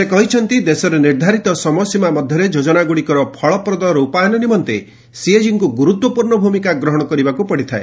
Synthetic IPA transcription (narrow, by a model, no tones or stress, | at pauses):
sekɔɦit͡ʃʰɔnt̪id̪esɔɾeniɾd̪ʱaɾit̪ɔsɔmɔsimamɔd̪ʱjɔɾed͡ʒod͡ʒɔnaɡuɽikɔɾɔpʰɔɭɔpɾɔd̪ɔɾɔupaanenimɔnt̪e | sied͡ʒiŋkuɡuɾut̪wɔpuɾɳɔbʱumikaɡɾɔɦɔɽ̃ɔkɔɾibakupɔɽit̪ʰae